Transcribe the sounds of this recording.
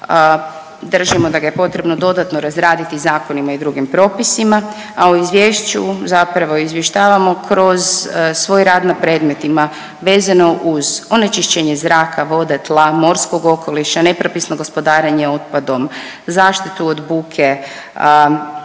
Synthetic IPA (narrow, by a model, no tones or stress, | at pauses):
d̪r̩ʒimo̞d̪aɡajepo̞t̪ɾe̞bno̞d̪o̞d̪at̪no̞ɾazɾaːd̪it̪izaːko̞nimaid̪ɾuɡimpɾo̞ːpisima | auizʋjeːʃt͡ɕuzapɾaʋo̞izʋjeʃt̪aːʋamo̞kʰɾo̞zsʋo̞ːjɾaːd̪napɾe̞ːd̪me̞t̪ima | ʋe̞ːzano̞ʔuzo̞net͡ʃiʃt͡ɕeɲe̞zɾaːkʰaʋo̞d̪et̪lˠamo̞ɾsko̞ɡo̞kʰo̞liʃane̞pɾopisno̞ɡo̞spo̞d̪aːɾeɲeo̞t̪̚pad̪o̞m | zaːʃt̪it̪uod̪buːkʰe